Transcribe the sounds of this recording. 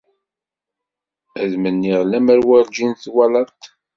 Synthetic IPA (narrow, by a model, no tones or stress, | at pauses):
æðmənːiʁlæmæɾwæɾd͡ʒinθwælɑɾt̪